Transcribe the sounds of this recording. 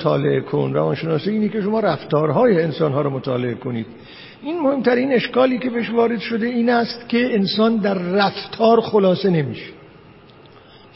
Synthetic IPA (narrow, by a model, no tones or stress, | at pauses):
t̪ʰɒ̰ːle̞ʔekʰo̰nɾævɒːnʃenɒːsiiːniːkʲʰe̞ʃo̞mɒːɾæft̪ɒːɾɦɒːjeːnsɒːnɦɒːɾɔmot̪ʰɒːle̞ekʰo̞niːd̪̥ | ʔiːnmohe̞mt̪ʰæɾiːne̞ʃkɒːliːkʰe̞beeʃvɒːɾe̞d̪ʃo̞d̪e̞iːnæst̪cʰe̞ːnsɒːnd̪æɾːæft̪ʰɒːɾxolɒːse̞ne̞mḭːʃe̥